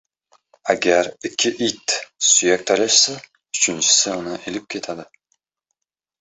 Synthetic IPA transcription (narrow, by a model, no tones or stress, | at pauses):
aɡʲæɾɪkʲʰːɪʔit̪syjak̚ʲt̪ʰɒɾaʃsa | ʊ̥t͡ʃʰɪnt͡ʃʰɪ̥sɪʊnaʔelɪp̚kʲʰe̞t̪ʰad̪ɪ